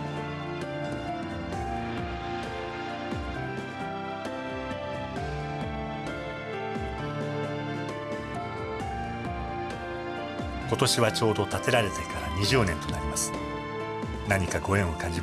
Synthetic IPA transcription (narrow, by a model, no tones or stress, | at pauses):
ko̞t̪o̞ɕiβat͡ɕo̞ːd̪o̞t̪at̪e̞ɾaɾe̞t̪e̞kaɾa̰ɲ̟iʑɨːnẽ̞nt̪o̞naɾʲimasɨ̥ | naɲ̟ikaɡo̞ẽ̞ɰ̃o̞kãɲd͡ʑi